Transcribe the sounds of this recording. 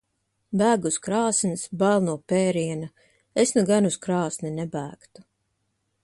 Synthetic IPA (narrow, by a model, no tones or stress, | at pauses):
bæːɡuskɾɑːsnsbælˠnuɔpɛːɾiɛna | esnuɡanuskɾɑːsnɛnɛbæːkt̪u̥